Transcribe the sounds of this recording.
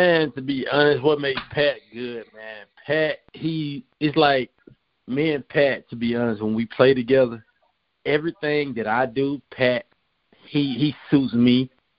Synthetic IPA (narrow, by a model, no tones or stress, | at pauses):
mæ̃ntɨbiʔʌnɨs̬t̚wʌt̚meɪd̚pʰæt̚ɡ̥ʊd̚mæ̃npʰæt̚hiɨtslaɪk̚ | mæ̃npʰætʰɨbiʌnəst̚wə̃nwipʰl̥eɪɾɨɡɛðə˞ | ɛvɹiθɪ̃ŋðɨɾaɪdəpʰæt̚ | hiisutsmi